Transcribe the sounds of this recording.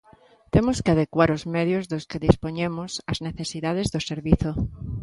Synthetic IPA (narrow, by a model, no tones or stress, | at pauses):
t̪emoskeaðekwaɾozmeð̞jozðoskeðispoɲemosazneθesiðað̞ezðoseɾβiθo